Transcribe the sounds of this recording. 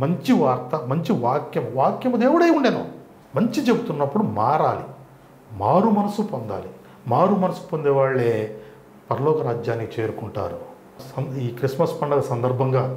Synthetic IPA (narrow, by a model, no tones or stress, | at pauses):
mɐɲt͡ʃiʋaːɾt̪ɐmɐɲt͡ʃiʋaːkjɐmʋaːkjɐmɐd̪eːʋuɽɐjuɳɖeːnu | mɐɲt͡ʃit͡ʃe̞but̪unːɐpːuɽumaːɾaːli | maːɾumɐnɐsupond̪a̰ːli | maːɾumɐnɐsu̥pond̪ɛʋaːɭːe̞ː | pɐɾɐlɔːkɐɾaːd͡ʒjaːnikit͡ʃe̞ːɾukuɳʈa̰ːɾu | sɐniːkɾismɐspɐɳɖɐlɐsɐnd̪ɐɾbʱɐŋɡaː